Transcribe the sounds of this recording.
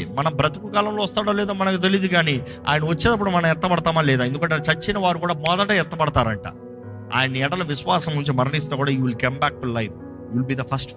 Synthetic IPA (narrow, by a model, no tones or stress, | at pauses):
mɐnɐmbɾɐt̪ukukaːlɐmloːɐst̪aːɽoːlɛːd̪oːmɐnɐkut̪̬elid̪ukaːni | a̰ːjɐnɐʋɐt͡ʃːeːd̪ɐpːuɽumɐnɐ̃mɛt̪ːɐpɐɽɐt̪aːmaːlɛːd̪aːedukɐɳʈ̬ːeɐt͡ʃɐt͡ʃːinɐʋaːɾukuːɽaːmɔːd̪ɐʈɐɛt̪ːɐpɐɽɐt̪aːɾɐ̰ɳʈa̰ː | a̰ːjɐniɛɽɐlɐʋisʋaːsɐmuɲt͡ʃimɐɾɐnist̪ekuːɽaːjiʋilkɐmbæːk̚ʈulɐjf | iʋilbiːd̪ɐpʰɐsʈ